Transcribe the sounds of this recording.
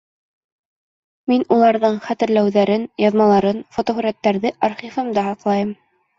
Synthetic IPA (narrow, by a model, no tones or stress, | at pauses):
minulˠɑɾðɤɴχæt̪ɘ̆ɾlæwðæɾɘnjɑðmɑlˠɑɾɤnfot̪ohɵ̆ɾæt̪ːæɾðɘʔɑɾχifɤmd̪ɑhɑqlˠɑjɤm